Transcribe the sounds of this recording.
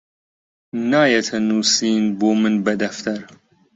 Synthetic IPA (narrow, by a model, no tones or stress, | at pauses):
naːjɐt̪ʰɐnuːsiːnboːmɨnbɐd̪ɐft̪ʰɐɾ